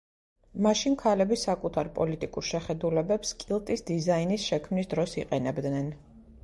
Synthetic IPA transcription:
maʃinkʰalɛbisakʼut̪ʰaɾpʼɔ̰lit̪ʼikʼuɾʃɛχɛd̪ulɛbɛpskʼilˠt̪ʼisd̪izainisʃɛkʰmnisd̪ɾɔsiqʼɛnɛbd̪nɛn

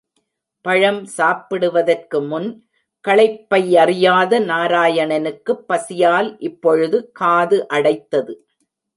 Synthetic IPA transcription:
pɐɻɐmsaːpɪɽɯʋɐðɐrkɯmʊn | kɐɭɐɪpːɐɪɐrɪjaːðɐnaːɾaːjɐɳɐnɯkːɯpːɐsɪjaːlʔɪpːɔɻɯðɯkaːðɯʔɐɽɐɪt̪ːɐðɯ

